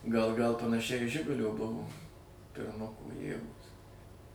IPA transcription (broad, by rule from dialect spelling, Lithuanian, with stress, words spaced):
ɡɐlˠ ɡɐlˠ pɐnɐˈʃʲɛɪ iː ˈʒʲɪɡʊlʲoː ˈbʊʋoː pʲɪrˈmʊkoː ˈjeːɡoːs